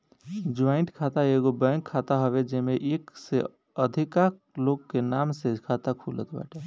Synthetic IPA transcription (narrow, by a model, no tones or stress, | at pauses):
d͡ʒaɪɳʈkʰat̪aeɡobəŋkʰːat̪aɦɔβed͡ʒemeʔekse | əd̪ʱikak | lokkːenamsed͡ʒkʰat̪akʰulə̰t̪ba̰ʈe